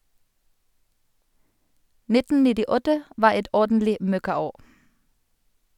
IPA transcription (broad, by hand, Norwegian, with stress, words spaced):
ˈnɪtn̩ nɪdɪˈɔtə ˈʋɑː ˈɛt ˈɔʁdn̩lɪ ˈmœkɑˌoː